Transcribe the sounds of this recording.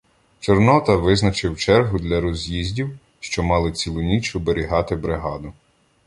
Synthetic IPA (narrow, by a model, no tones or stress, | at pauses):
t͡ʃɔrnɔt̪ɐʋɪznɐt͡ʃɪwt͡ʃɛrɦʊd̪lʲɐɾɔzʲjizʲdʲiw | ʃt͡ʃɔmɑlˠɪt͡sʲilˠʊnʲit͡ʃʊbeɾʲiɦɑt̪ɪbɾɪɦɑd̪ʊ